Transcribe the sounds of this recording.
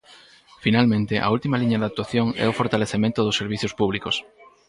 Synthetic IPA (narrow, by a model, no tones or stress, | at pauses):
finalmẽnt̪ɪʔa̰ult̪imaliɲaðak̚t̪waθjoŋɛ̰ʊfoɾt̪aleθemẽnt̪ʊðʊsːeɾβ̞iθjospuβlikos